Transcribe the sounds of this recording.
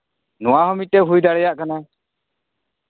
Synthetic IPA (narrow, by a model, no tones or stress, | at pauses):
nɔwaɦɔmit̪̚t̪ɛɦujd̪aɽɛjaʔkana